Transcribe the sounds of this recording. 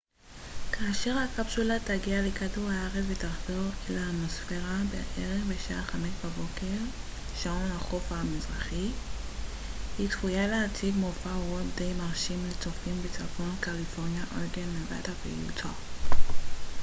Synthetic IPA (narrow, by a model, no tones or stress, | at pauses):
kaːʃe̞ʁhakabʃulataɡialekaduʁaaʁet͡svetaʁzoʁelaːmosfeʁabḛʔeʁeχbeʃaaχametbabo̞keʁ | ʃaonaχofamizʁaχi | hitfujaleatʰiɡmofaootd̪ejmaʁʃimlet͡sofimbet͡safonkalifo̞ʁnjaʔolɡenleva̰tavḛjṵtʰa